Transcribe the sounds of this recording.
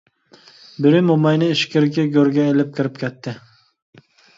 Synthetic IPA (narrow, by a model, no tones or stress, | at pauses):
bɪɾɪmomɑjnɪːʃkʲɪɾkʲɪɡʲøɾɡʲɛelɪp̚kʲʰɪɾɪp̚kʲʰɛt̪ʰːɪ